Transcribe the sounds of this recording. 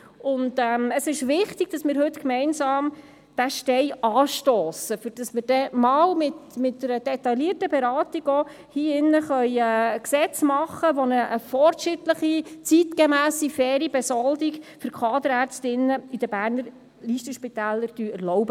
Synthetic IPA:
ʊndɛːməsɪʃʋɪχt̪iɡ̥̚d̥ɑsmɪːɾɦɵt̪kmɛɪnsɑːm | d̥æʃtɛɪɑːʃtoːsəfyɾd̥ɑsmɪːɾd̥ɛmɑːlmɪtmɪtdəɾəd̥ɛt̪ɑliərtəbɛɾɑːt̪iɡo | hiːɪnːəχœʏɛːksɛt͡smɑχːəʋonəʔəfɔrɾtʃɪtləχit͡sit̪ɡemæːsifɛːɾibɛsɔld̪iɡfʏɾkʰɑːd̪əɾæɾt͡stɪnːəid̥əbæːɾnəɾ | liːʃtəʃpit̪æːlːəɾd̥yɛɾlɔʊbə

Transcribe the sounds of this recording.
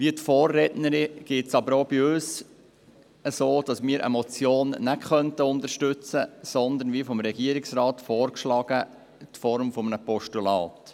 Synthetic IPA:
ʋiət̪fɔːrːɛtnəɾɪɡ̥ɪtsɑbəɾoːbiøːs | əsoːd̥ɑsmɪːəɾʔə̰mɔt͡sjoːnːæɡχœnt̪əʊnd̪əɾʃtʉt͡səsɔnd̪ənʋiəfɔmɾɛɡiəɾɪksɾɑːt̪fɔːɾkʃlɑːɡə | t̪fɔɾmfɔmənəpɔʃtulɑːt

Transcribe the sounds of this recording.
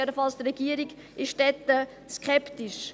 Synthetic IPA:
ɛdəfɑlst̪rɛɡ̥iəɾiɡ | ʔɪʃtɛt̪ːə | skχɛptɪʃ

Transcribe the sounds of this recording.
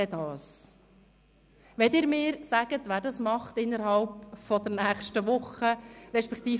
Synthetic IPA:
ɛdɑːs | ʋɛtɪːɾmɪːɾsæɡ̥ət̪ʋæːɾdɑsmɑχt̪ɪnːəɾhɑlpfɔd̪əɾnæːχʃtəʋʊχəɾɛʃpɛkt̪iː

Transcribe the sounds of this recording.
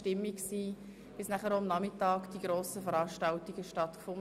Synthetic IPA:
tɪmːiksiː | b̥ɪsnæχəɾomnɑmɪtɑːkd̥iɡ̥ɾoːsəfəɾɑːʃtɑltiɡ̥əʃtɑtkfʊn

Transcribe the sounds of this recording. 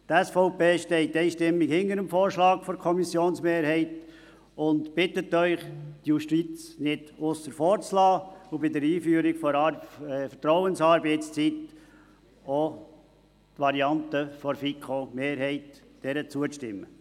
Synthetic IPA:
t̪ɛsfɔʊpeːʃtɛɪtːɛɪʃtɪmːikhɪnəɾəmfoːɾʃlɑːkfɔɾkʰɔmisjoːnsmeːɾhɛɪt | ʊntbɪtətːœʏχd̥juʃtit͡snɪd̥ʊsːəɾfɔːɾt͡slɑːubɪdəɾiːfyːəɾiɡfɔɾɑfətɾɔʊənsɑːɾbɛɪtst͡sit̪ | o | t̪ʋɑɾiɑntəfɔɾfikχomeːɾhɛɪtd̥ɛɾət͡suətɪmːə

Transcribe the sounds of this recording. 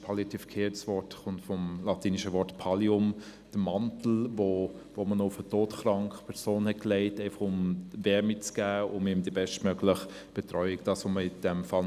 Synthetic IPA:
pʰɑːljt̪ʰifə̥kʰeːtsvɔɾtχʊntfɔmlɑtiːniʃəvɔtpʰɑliʊmd̥əmɑntl̩vo | vomənɔʊfətoːtχɾɑŋkχpʰɛʁsoːnhɛt̚kleɪteɪfɑχʊmvɛɾmit͡sɡ̥æːʊmɪmd̥ibɛʃtmøɡlɪχ | b̥ɛtɾɔʏɪkd̥ɑsoməɪd̥ɛmfɑl

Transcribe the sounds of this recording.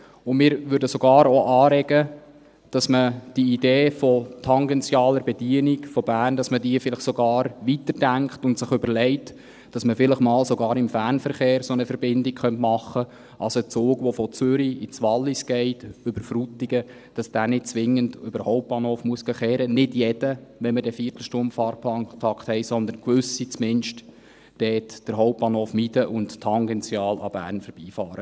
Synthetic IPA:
ʊnmɪːɾʋʏɾdəsoɡ̥ɑːɾoʔɑːɾɛɡ̥ə | d̥ɑsməd̥iideːfɔtʰɑŋɡɛnt͡sjɑːləɾbɛdiənikfɔbæːrnd̥ɑsmədiəfɪlɪχsoɡɑːɾʋitəɾd̥æŋkχtʊntsɪχʏbəlɛɪt | d̥ɑsməfɪləχmɑːlsoɡɑːɾɪmfæːrnfəɾχeːɾsonəfəɾbɪndɪkχœntmɑχːə | ʔɑlsot͡soːɡʋɔfɔt͡sʏɾiit͡sʋɑlːisɡ̥ɛɪtʏbəɾfɾutiɡ̥ə | d̥ɑsd̥æːnɪt̚t͡sʋɪŋːəndøbəɾhɔʊp̚pɑnhoːfmuəsɡəχɛːɾənɪdjɛd̥əʋɛnmədɛfiːərtl̩ʃtʊmfɑːɾpʰlɑːnkʰɔtʰɑkthɛɪsɔnd̪ənkʋʏsit͡smɪnʃt | d̥ɛːtd̥əɾɦɔʊp̚pɑːnhoːfmid̥əʔʊnttʰːɑŋɡɛnt͡sjɑːlɑ̰b̥æ̰ːrnfəɾb̥iːfɑːɾə

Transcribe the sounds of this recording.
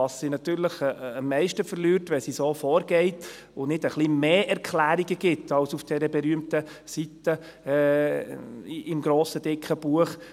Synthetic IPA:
ɑsːinɑt̪yːɾləχəmːɛɪʃtəfəɾlyːɾtʋɛsisoːfɔːɾɡ̥ɛɪt | ʊnɪdəχlimeːʔɛɾkʰlæːɾiɡəɡɪt̪ɑwsufd̥ɛɾəbɛɾyːəmt̪ə | sitə | ʔɪmɡɾoːsəd̥ɪkʰχəb̥uəχ

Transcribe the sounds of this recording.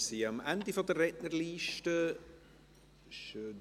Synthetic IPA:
siɑmændifɔdərːɛʔnərliːʃtə | ʃø

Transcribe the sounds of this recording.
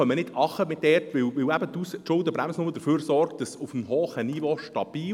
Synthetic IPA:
œmːənɪdɑχəmɪtdɛtʋɪwʋɪwæbət̪usʃʊldəbɾæmsnʊməd̥əɾføːɾsɔrkt̚d̥ɑsʊfm̩ɦoːχəniːʋoʃtɑb̥iː

